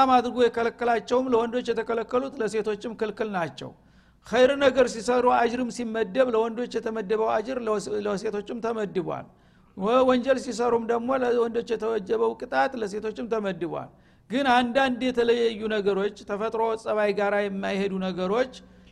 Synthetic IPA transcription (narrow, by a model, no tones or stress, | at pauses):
amad̪ɾɨɡujɛkʰələkːəlat͡ʃːɛwmləwɔnd̪o̞t͡ʃːjɛt̪ʰəkʰələkːəlut̪ləse̞t̪ʰo̞t͡ʃːɪmkɨlkɨlnat͡ʃːɛ̰w | xəjɾɨnəɡəɾsisəɾuad͡ʒɨɾɨmsimːəd̪ːəβləwɔnd̪o̞t͡ʃːjɛt̪ʰəməd̪ːəβəwad͡ʒɨɾləse̞t̪ʰo̞t͡ʃːɨmt̪ʰəməd̪ːɨβʷa̰l | wəwɔɲd͡ʒɛlsis̬əɾumd̪əɡmo̞ləwɔnd̪o̞t͡ʃːjɛt̪ʰəwɔd͡ʒːəβəwkʼɨt̪ʼat̪ʼləse̞t̪ʰo̞t͡ʃːɪmt̪ʰəməd̪ːɨβʷwa̰l | ɡɨnand̪and̪jɛt̪ʰələjːajːunəɡəɾo̞t͡ʃːt̪ʰəfət̪ʼɾo̞sʼəβajɡaɾajɛmːajhed̪unəɡəɾo̞t͡ʃː